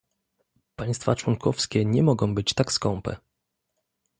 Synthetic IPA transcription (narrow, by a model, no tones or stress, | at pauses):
paj̃st̪fat͡ʂwɔŋkʰɔfskʲɛɲɛmɔɡɔ̃w̃bɘt͡ɕt̪akskɔ̃mpɛ̰